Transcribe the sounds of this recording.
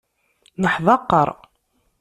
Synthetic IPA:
nəħðˤɑqːəɾˤ

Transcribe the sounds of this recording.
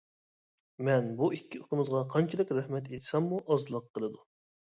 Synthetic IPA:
mɛnbuikʲːiot̪ʰəmɨzʁɑqʰɑnt͡ʃʰid̪ɪkʲɾɛhmɛt̪et̪ʰɪ̥sɛmːuʔɑzlˠɑq̚ʰːəlˠɨd̪u

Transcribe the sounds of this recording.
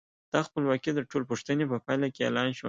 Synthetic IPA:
d̪̥ɑxpəlwɑkid̪əʈolpuʂt̪ənepəpɑjlakeḛlɑnʃu

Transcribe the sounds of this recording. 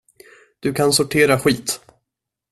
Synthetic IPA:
d̪̥ɵkʰansʊʈʰeːɾaɧiːt̪

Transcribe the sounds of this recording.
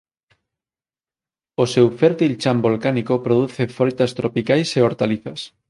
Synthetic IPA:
osewfeɾt̪ilt͡ʃambolkanikopɾoð̞uθefoɾit̪ast̪ɾopikajseoɾt̪aliθas

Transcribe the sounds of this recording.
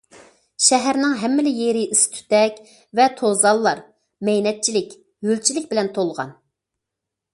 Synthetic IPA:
ʃɛɦæɾnɪŋɦɛmːɪlɪjeɾɪist̪ʰy̥t̪ɛkʲ | vɛt̪ʰozɑlˠːɑɾ | mɛjnɛt̪̚t͡ʃʰilɪkʲ | jølt͡ʃʰilɪk̚ʲbɪlɛnt̪ʰolˠʁɑ̰n

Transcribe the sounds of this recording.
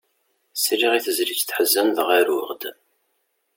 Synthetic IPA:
sɾiʁiθəzlit͡sːθħəzːænðəʁaɾʊʁd̪

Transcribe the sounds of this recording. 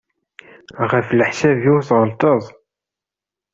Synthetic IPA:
ʁəfləħsæviwθʁəlt̪ˤəðˤ

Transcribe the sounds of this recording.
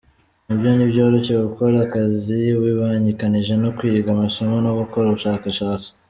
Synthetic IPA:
nibjonibjo̞ːɾo̞ʃe̞ɡuko̞ɾakaziwiβaɲikaniʒe̞nokwiɡamasomonoɡukoɾaβuʃaːkaʃaːt͡si̥

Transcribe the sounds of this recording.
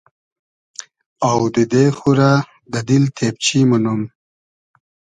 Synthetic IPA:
awd̪əd̪exuɾa | d̪ad̪ilt̪ʰep̚t͡ʃimanum

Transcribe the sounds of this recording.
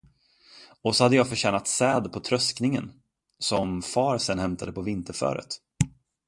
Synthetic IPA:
ɔsɔhad̪ːəjɑːɡfœɕɛːnat̪sɛːd̪pʰɔt̪ʰɾœsknɪŋən | sɔmfɑːɾsɛnhɛmt̪ʰad̪əpʰɔvɪnt̪əɾfœ̰ːɾə̰t̪

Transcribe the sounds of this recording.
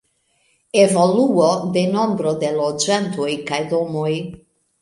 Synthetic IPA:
evoluod̪e̞no̞mbɾo̞d̪e̞lod͡ʒant̪o̞jkajdo̞moj

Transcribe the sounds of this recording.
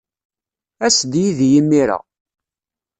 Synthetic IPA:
æsd̪jiðjimːiɾæ̰

